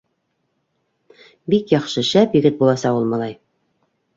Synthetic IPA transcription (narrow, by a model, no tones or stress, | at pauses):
bikjɑχʃɤʃæpjɘ̆ɡɘt̪̚bulˠɑsɑulˠmɑlˠɑj